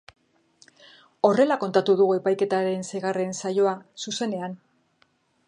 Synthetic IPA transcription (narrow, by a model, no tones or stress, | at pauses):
o̞re̞lako̞nt̪at̪uðuɣue̞pajke̞t̪aɾe̞nseɣare̞nsajo̞asuse̞ne̞an